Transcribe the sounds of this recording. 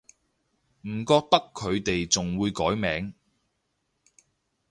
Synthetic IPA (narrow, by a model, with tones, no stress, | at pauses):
m̩˨˩kɔː˧k̚t̪ɐ˥kʰːɵ˨˧ɥt̪e˨jt͡sʊ˨ŋwuː˨˧jkɔː˨˥jmɛː˨˥ŋ